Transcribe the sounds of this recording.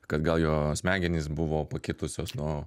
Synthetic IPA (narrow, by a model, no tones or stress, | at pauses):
kɐt̪ɡɐlˠjoːsʲmʲæːɡʲɛnʲiːsbʊʋoːpɐkʲɪt̪ʊsʲoːsnʊ